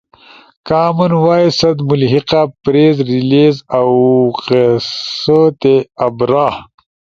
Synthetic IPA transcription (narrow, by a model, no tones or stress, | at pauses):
kaːmunwaːjsɐd̪mulɦiqapɾeːzɾilezawqesət̪eɐbɾaːh